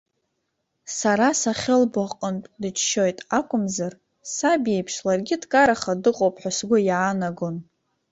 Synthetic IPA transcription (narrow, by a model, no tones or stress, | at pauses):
saɾasaχʲɪlbaqʼəntʼdɨt͡ʃʰʃo̞jtʼakʷʼʊmzar | sabejpʰʂlarɡʲɪdkʼaɾaχadɨqʼowpʰʼħʷᶣasɡʷʊjaːnaɡon